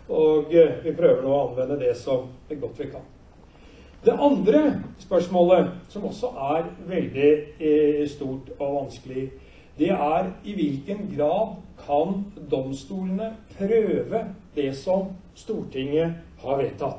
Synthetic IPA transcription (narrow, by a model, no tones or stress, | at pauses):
oːɡʋɪpʰɾøːʋəɖoːɔɑnʋɛnːəd̪ɛsɔmæɡɔt̪ːʋɪkʰɑn | d̪ɛʔɑnd̪ɾəspœʂmoːləsɔmɔsːɔʔæɾʋɛld̪ɪ | st̪uːʈɔʋɑnskəlɪ | d̪ɛæɾɪʋɪlkənɡɾɑːd̪kʰɑnd̪ɔmst̪uːlənəpʰɾøːʋəd̪ɛsɔm | st̪uːʈʰɪŋːəhɑɾʋeːt̪ʰːɑt̪ː